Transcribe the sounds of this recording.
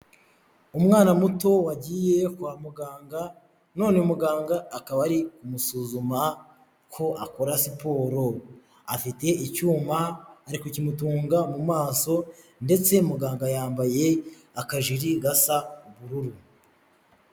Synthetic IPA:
umŋaːnamuto̞waɟiːje̞kwaːmuɡaːŋɡa | no̞ːneumuɡaːŋɡaːkaβaɾikumusuːzuma | kʰo̞ʔako̞ɾasipo̞ːɾo̞ | afite̞ʔicuːmaːɾikocimutuːŋɡamumaːso̞ | nde̞t͡se̞muɡaːŋɡajaːmbaje̞ | akaʒiɾiɡasaβuɾuɾu

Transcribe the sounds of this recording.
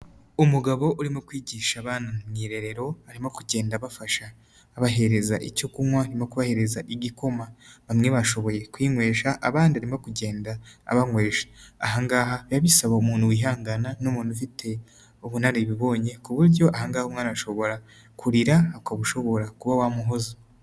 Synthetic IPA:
umuɡaβo̞ʔuɾimokwiːɟiːʃaβaːnamŋiɾe̞ɾe̞ɾo̞aɾimokuɟe̞ːndaβafaʃaː | βaɦe̞ɾe̞zaʔicokumwaɾimokuβahe̞ɾe̞zaʔiɟiko̞maβamŋe̞βaʃo̞βo̞je̞kwiːŋwe̞ːʃaʔaβaːndiaɾimokuɟe̞ːnda̰ːβaŋwe̞ːʃḁːɦaŋɡaːɦaβjaβisaβaumuːnuwiːɦaːŋɡananomuːnufitʰe̞ | oβunaɾeβiβo̞ːɲe̞kuβuɾɟo̞ʔahaŋɡaːhomŋanaʃo̞βo̞ɾa | kʰuɾiɾaːkaβuʃo̞βo̞ɾakuβawamuɦo̞za

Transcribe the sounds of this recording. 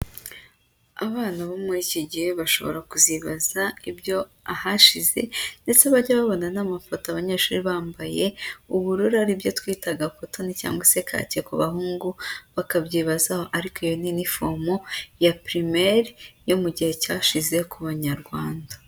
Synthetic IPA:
a̰βaːnaβomuɾiciɟiheβaʃo̞̰βo̰ɾakuziβazaibjo̞ | ahaʃize̞̰nde̞t͡seβaɟaβaβo̞nanamafotoaβaɲeːʃuːɾiβaːmbaje̞uβuɾuɾaɾibjo̞twiːtaɡapoto̞nica̰ːŋɡwase̞kʰa̰ciekuβahuːŋɡuβakabɟiβazahoʔaɾikoijoninifomojapɾimeɾjo̞muɟihe̞caːʃize̞kuβaɲaɾɡwaːndḁ

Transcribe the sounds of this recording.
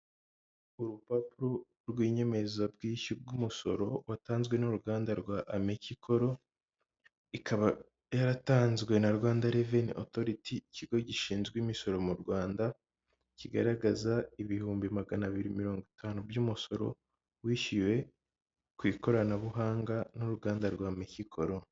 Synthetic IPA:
uɾupapuɾo | ɾɡwiːɲe̞me̞zab̚ɡiːʃib̚ɡumuso̞̰ɾo̞wataːnzɡwe̞nuɾuɡaːndaɾɡwaʔamecikʰo̞ɾo̞ | ikaβa | jaɾataːnzɡwe̞naɾɡwaːndaɾevenʔo̰to̞ɾitʰiciɡo̞ɟiʃiːnzɡwimiso̞ɾo̞muɾɡwaːnda | ciɡaɾaɡazaiβihuːmbimaɡanaβiɾimiɾo̞ːŋɡitʰaːnubjumuso̞ɾo̞̰ | wiːʃiwe̞ | kwiːko̞ɾanaβuɦaːŋɡanuɾuɡaːndaɾɡwamecikʰo̞ɾo̞

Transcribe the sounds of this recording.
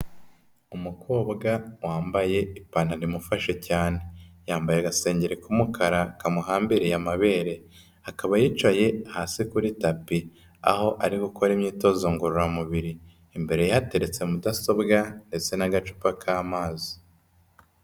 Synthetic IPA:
umukʰo̞ːbɡawaːmbaje̞ipaːnanimufaʃe̞caːne̞jaːmbajeɡase̞ːɲɟeɾekumukʰaɾakamuɦaːmbiɾejamaβe̞ːɾe̞ | akaβajiːt͡ʃwaje̞hasikuɾitapi | a̰ho̞ʔaɾiɡukoɾimɲiːto̞zoːŋɡuɾuɾamuβiɾiː | mbe̞ɾe̞jaate̞ɾe̞t͡se̞mudaso̞bɡande̞t͡se̞naɡat͡ʃu̥pakʰaːmaːzi̥

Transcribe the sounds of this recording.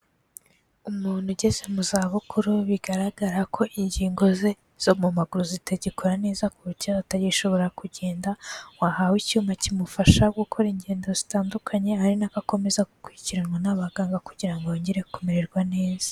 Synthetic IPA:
umuːn̥huɟe̞ze̞muzaːβukuɾuβiɡaɾaɡaɾakʰo̞ʔiɲɟiːŋɡo̞ze | z̥o̞mumaɡuɾuziteɟikʰo̞ɾane̞ːzakuutaataɾɟiʃo̞βo̞ɾakuɟe̞ːndawahawicuːmacimufaʃaɡukʰo̞ɾiɲɟe̞ːndo̞zitaːndukʰaɲe̞aɾinakako̞me̞zaɡukwuiciɾaŋɡonaβaɡaːŋɡakuɟiɾaŋɡojoːɲɟeɾe̞kumeɾeɾɡwane̞ːzḁ

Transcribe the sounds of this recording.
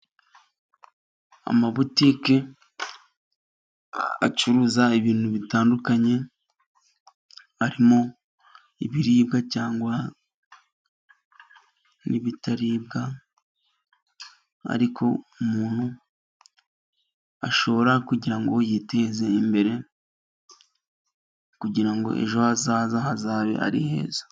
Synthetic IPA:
a̰maβutiːke | a̰t͡ʃuɾuzaiβiːn̥huβitaːndukaɲe̞ | aɾimo̞ | iβiɾiːbɡacaːŋɡwa | niβitaɾiːb̚ɡa | a̰ɾikʰo̞̰umuːn̥hu | a̰ʃo̞βo̞ɾakuɟiɾaŋɡojite̞ze̞imbe̞ɾe̞ | kuɟiɾaŋɡo̞̰ʔe̞̰ʒo̞azaːzahazaːβe̞̰ʔa̰ɾihe̞̰ːzḁ

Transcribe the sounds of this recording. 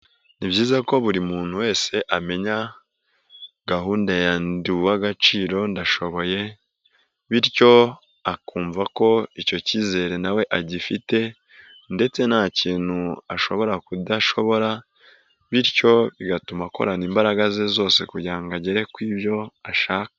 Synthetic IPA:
nibɟiːzako̞βuɾimuːn̥huwe̞ːse̞ʔame̞ɲa | ɡ̥aɦuːndajanduwaɡat͡ʃiːɾo̞ndaʃo̞βo̞je̞ | βiɾco̞ | akuːɱvako̞ico̞ciːze̞ːɾe̞nawe̞ʔaɟifite̞ | nde̞t͡se̞nhaciːn̥huaʃo̞̰βo̞ɾakudaʃo̞βo̞ɾa | βiɾco̞βiɡatumako̞̰ɾaniːmbaɾaɡazezo̞ːse̞kuɟiaŋɡaɟe̞ɾe̞kwiːβjo̞aʃaːka

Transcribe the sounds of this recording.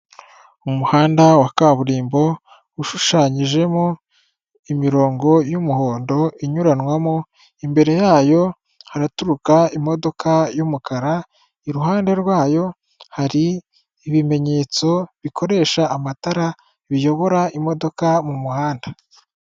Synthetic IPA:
umuhaːndawakaβuɾiːmbo̞ | uʃuʃaɲiʒe̞mo | imiɾo̞ːŋɡo̞jumuho̞ːndo̞ʔiɲuɾanwamo | imbe̞ɾe̞jaːjo̞ | haɾatuɾukaimo̞do̞kʰajumukaɾa | iɾuɦaːnde̞ɾɡwaːjo̞ | haɾiː | βime̞ɲe̞ːt͡so̞βiko̞ɾe̞ːʃaːmataɾa | βijo̞βo̞ɾaimo̞do̞kamumuhaːnda

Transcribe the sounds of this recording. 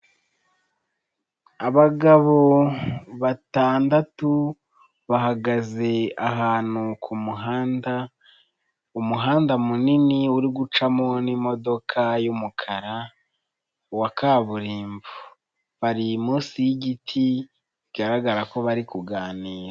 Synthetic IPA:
aβaɡaβo̞ | βataːndatu | βaɦaɡaze̞aɦaːn̥hukʰumuɦaːnda | umuɦaːndamuniniuɾiɡut͡ʃamunimo̞do̞kʰajumukʰaɾa | wakaβuɾiːmvu | βaɾimuːsijiɟitʰi | iɡaɾaɡaɾako̞βaɾikuɡaːniːɾa

